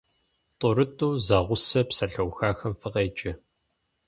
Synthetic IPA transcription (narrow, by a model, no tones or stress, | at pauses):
tʼʊɾɨtʼuːzaːʁʷʊsɐpsɐɬɐwxaːxɐmfɨqeːt͡ʃʼɪ